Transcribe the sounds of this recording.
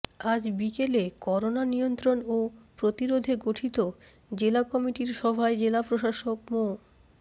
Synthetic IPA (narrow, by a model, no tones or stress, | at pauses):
ad͡ʑbikelekɔɾonanijont̪ɾono | pɾot̪iɾod̪ʱeɡoʈʰit̪o | d͡ʑelakɔmiʈiɾʃɔbʱaed͡ʑelapɾoʃaʃokmo